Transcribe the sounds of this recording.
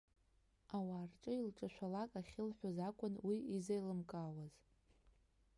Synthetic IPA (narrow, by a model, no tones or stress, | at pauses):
awaːrʈ͡ʂʼɨilʈ͡ʂʼaʃʷᶣalakʼaχʲɪlħʷazakʷʼʊnwiizejlɨmkʼaːwaz